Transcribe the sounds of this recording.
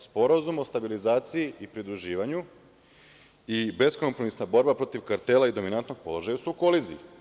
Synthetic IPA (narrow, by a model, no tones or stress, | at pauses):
spo̞ɾazumo̞st̪abilizaːt̪sijiipɾid̪ɾuʒiːʋaɲu | ibe̞sko̞mpɾo̞misnabo̞ɾbapɾo̞t̪iʋkaɾt̪elˠaid̪o̞minant̪no̞ɡ̥̚po̞lˠo̞ʒajasuuko̞lizḭji